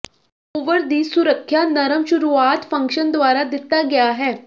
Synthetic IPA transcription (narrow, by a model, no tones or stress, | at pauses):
ʊʋəɾd̪iːsʊɾəkʰːjanəɾəmʃʊɾuaːt̪fə̃ŋkʃənd̪ʊaːɾad̪ɪt̪ːaɡɐjaɦɛː